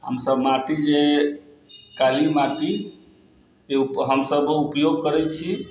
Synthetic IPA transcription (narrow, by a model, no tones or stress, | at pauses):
ɦə̰msəbmaʈid͡ʒe | kalimaʈi | euɦəmsəbupjoɡ̚kəɾɛt͡ʃʰi